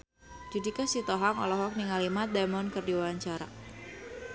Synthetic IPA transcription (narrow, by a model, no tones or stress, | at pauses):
d̥idikasit̪ɔɦaŋɔ̰lɔɦɔk̚niŋalimat̪̚d̪ɛmɔnkɨrdiwawaɲt͡ʃaɾa̰